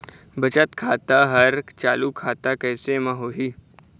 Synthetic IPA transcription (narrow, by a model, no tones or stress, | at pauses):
bɐt͡ʃət̪kʰaːt̪aɦɐɾt͡ʃaːlukʰaːt̪akɛːsemãɦoːɦiː